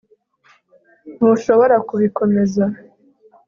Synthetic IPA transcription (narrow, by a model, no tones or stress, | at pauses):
n̥huʃo̞βo̞ɾakuβiko̞me̞za